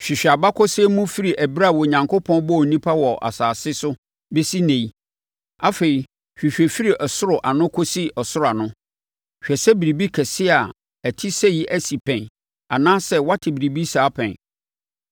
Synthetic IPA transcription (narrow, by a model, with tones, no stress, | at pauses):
ɕᶣi˨ɕᶣa˨ba˦kʰɔ˦sɛ˦mũ˦fi˦ɾi˨ʔæ˨bɾa˦˨wɔ˨ɲã˨ŋkʰo˦pʰɔ̃˦n˦bɔ˦˨n̩˨nĩ˦pʰa˦wɔ˨ʔa̰˨saː˨sɪ˦sʊ˦ | be˦si˦nɛ̃˨i˦ | a˦fe˨ɾi˨ | ɕᶣi˨ɕᶣɛ˨fi˦ɾi˨ʔɔ˨sʊ˦ɾʊ˨ʔa˨nʊ̃˦kʰo˦si˦ɔ˨sʊ˦ɾʊ˦˨a˨nʊ̃˦ | ɕᶣɛ˨sɛ˦bi˨ɾi˨bi˦kʰɛ˨sɪ˦a˨ | æ˨tʰi˦sɛ˦ji˦ʔæ˦si˨pʰɛ̃˨n | a˨nãː˦sɛ˦wa˦tʰɪ˨bi˨ɾi˨bi˦saː˦pʰɛ̰̃˨n